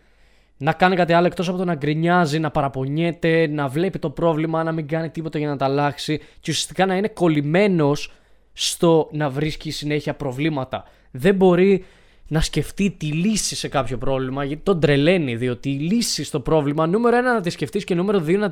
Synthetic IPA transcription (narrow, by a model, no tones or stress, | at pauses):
nɐkɐnikɐt̪iɐlo̞ekt̪o̞sɐpot̪o̞nɐɡɾiɲɐzinɐpɐɾɐpo̞ɲe̞t̪e̞nɐvle̞pit̪o̞pɾo̞vlimɐnɐmiŋɡɐnit̪ipo̞t̪ɐʝɐnɐt̪ɐlɐksiceusiɐ̥st̪ikɐnɐine̞ko̞lime̞no̞sː | t̪o̞nɐvɾisciːsine̞çiɐpɾo̞vlimɐt̪ɐ | ðe̞mbo̞ɾi | nɐsce̞ft̪it̪ilisise̞kɐpço̞pɾo̞vlimɐʝɐt̪it̪o̞nd̪ɾe̞le̞niðio̞t̪iːlisist̪o̞pɾo̞vlimɐnume̞ɾo̞enɐnɐt̪isce̞ft̪isce̞nume̞ɾo̞ðionɐ